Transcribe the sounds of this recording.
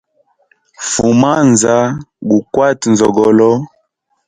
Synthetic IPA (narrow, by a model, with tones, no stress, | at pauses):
fu˨ma˦nza˦ɡu˨kwa˦˨tnzɔ˨ɡɔ˨lɔ˦